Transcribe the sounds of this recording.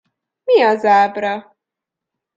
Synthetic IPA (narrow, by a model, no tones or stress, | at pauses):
miɒzaːbɾɒ